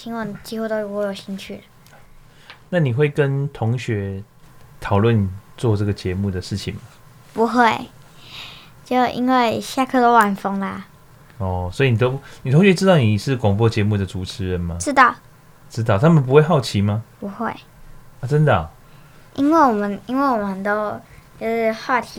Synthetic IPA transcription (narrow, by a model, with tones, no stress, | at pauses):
t͡ɕʰi˧˥ŋwɑ˧˥ŋt͡ɕi˧˥xu˥˧t̪o˥ʊɻu˧wo˧jo˨˩ʊɕi˧˥ŋt͡ɕʰy̰˥˩˧ | na˥˨ni˨˩xwe˥˨ɪkə˦nt̪ʰo˧˦ŋɕɥɛ˧˦ | t̪ʰɑ˨˩ʊlwə˥˨n˨t͡swɔ˥˧ʈ͡ʂə˥˩ɡə˨˩t͡ɕjɛ˧˦mu˥˩d̪ə˩ʂɻ̩˥˩t͡ɕʰḭ˨ŋma˦ | pu˧˥xwe˥˩ɪ | t͡ɕjo˥˨˩ʊʔḭ˧˥nwe˥˧ɪɕja˥˧kʰɤ˥˧t̪o˥ʊwa˨˩nfɤ˥ŋlə˨ | ɔ˥˩swɔ˧˥i˨˩ni˨˩t̪o˦˥ni˨˩t̪ʰo˧˥ŋɕɥɛ˧˦ʈ͡ʂɻ̩˥t̪ɑ˥ʊni˨˩ʂɻ̩˥˨kʊ˨˩ŋpwɔ˥˨t͡ɕjɛ˧˦mu˥˩d̪ə˩t͡su˨˩t͡sʰɻ̩˧˦ɻə˨˦nma˦ʈ͡ʂɻ̩˥t̪ɑ˥˨ʊ | ʈ͡ʂɻ̩˥t̪ɑ˥˩ʊt̪ʰa˥mə˨np̬u˧˦xwe˥˧ɪxɑ˥˩ʊt͡ɕʰi˧˦ma˧pu˧˦xwe˥˩ɪ | a˨t͡sə˦nd̪ə˨ | ʔi˥nwe˥˩ɪwɔ˨˩mə˨˦ni˥nwe˥˩wɔ˨mə˦nə˨nt̪o˦ʊt͡ɕjo˥˧ʊʂɻ̩˥˧xwa˥˩t̪ʰi˧˥